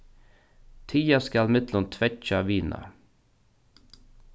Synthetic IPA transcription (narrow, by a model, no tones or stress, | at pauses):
t̪ʰiːɑskɑlmɪt̪lʊnt̪ʰʋɛt͡ʃɑʋiːnʔɑ̰